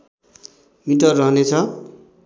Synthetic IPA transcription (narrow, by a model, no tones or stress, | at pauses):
miʈʌrːʌɦʌnet͡sʰʌ